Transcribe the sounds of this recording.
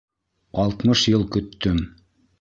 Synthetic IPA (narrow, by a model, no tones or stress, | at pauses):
ɑlˠt̪mɤʃjɤlˠkɵ̆t̪ːɵm